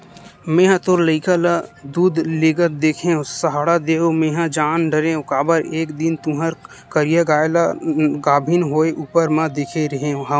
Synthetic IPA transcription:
mẽːɦãt̪oɾləɪkalad̪uːd̪ʱleːɡət̪̚d̪eːkʰẽõsəɦaːɽad̪eːomẽːɦãd͡ʒaːnɖəɾẽõkaːbəɾeːkd̪ɪnt̪ũɦəɾ | kəɾijaɡaːjlaɡaːbʱɪnɦoːeʔuːpəɾmãd̪eːkʰeɾɐɦẽõɦã

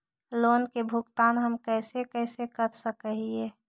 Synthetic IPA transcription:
loːnkebʱʊɡt̪aːnɦəmkɛːsekɛːsekət̪səkəɦieː

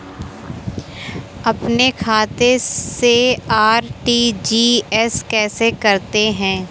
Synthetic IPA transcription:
ɐpnekʰaːt̪eseaːɾʈid͡ʒiːɛskɛːsekɐɾt̪eɦɛ̃ː

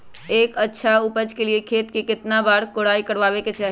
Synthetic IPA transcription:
eːkətːʃʰaupəd͡ʒkeliekʰet̪kekɪt̪nabaɾkoɽaikəɾʋabeket͡ʃʰaɦi

